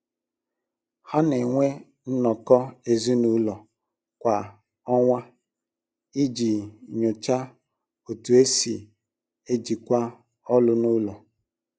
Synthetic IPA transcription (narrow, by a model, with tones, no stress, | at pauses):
ha˦ne˨ŋʷe˦ | n̩˦nɔ˨kɔ˦e˨zi˦nu˦lɔ˨ | kʷa˨ | ɔ˦ŋʷa˦ | i˦d͡ʒi˨ɲo˨t͡ʃa˦ | o˨tu˨e˦si˨ | e˦d͡ʒi˨kʷa˦ | ɔ˦lʊ˦nu˦lɔ˨